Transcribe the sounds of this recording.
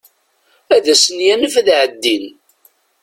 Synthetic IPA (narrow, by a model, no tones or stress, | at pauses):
æðæsənjænəfæðʕəd̪ːin